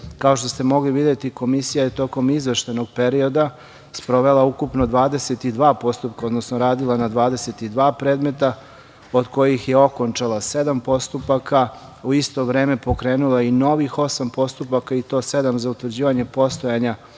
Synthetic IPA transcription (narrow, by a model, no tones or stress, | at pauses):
kao̞ʃt̪ost̪e̞mo̞ɡliʋid̪jet̪iko̞misijajet̪o̞ko̞mizʋeʃt̪ajno̞ɡ̚pe̞ɾio̞d̪a | spɾo̞ʋe̞laukupno̞d̪ʋaːd̪eset̪id̪ʋaːpo̞st̪up̚kaod̪nosnoɾaːd̪ilˠanad̪ʋaːd̪e̞set̪id̪ʋaːpɾeːd̪me̞t̪a | od̪ko̞jixje̞o̞ko̞nt͡ʃalˠase̞d̪ampo̞st̪upaka | uist̪o̞ʋɾe̞ːme̞po̞kɾe̞ːnulaino̞ʋixo̞sampo̞st̪upakait̪o̞ːse̞d̪amzaut̪ʋr̩d͡ʑiːʋaɲe̞po̞st̪o̞jaɲa